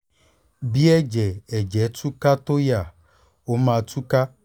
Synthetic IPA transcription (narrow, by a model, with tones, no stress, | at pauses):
bi˦ɛ˦d͡ʒɛ˨ɛ˨d͡ʒɛ˨˦tu˦ka˦t̪o˦ja˨ | o˨˦mã˨tu˦ka˦